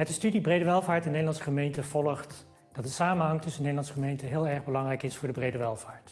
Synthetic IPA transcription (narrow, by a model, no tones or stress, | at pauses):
ɦətəstydibrejdəʋɛlˠvaːɹtɛnːejdəlɑnsəχəmejntəv̥ɔləχt | d̥ɑt̚dəsaːmənɦɑŋtɵsənedəlɑnsəχəmejntəɦɪːlˠɛɹχbəlɑŋrɛjkɪsfʊːɹdəbrejdəʋɛlˠvaːɹt